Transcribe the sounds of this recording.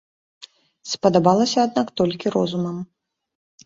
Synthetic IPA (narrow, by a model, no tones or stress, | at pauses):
spɐd̪abalˠɐsʲɐad̪nakt̪ɔlʲkʲiɾɔzumɐm